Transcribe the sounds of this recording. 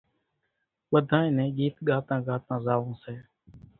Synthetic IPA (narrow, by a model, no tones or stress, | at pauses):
ɓəd̪ʱãːẽɪ̃ːnɛ̃ːɠiːt̪ɠaːt̪ãːɡaːt̪ãːzaːʋõːsɛː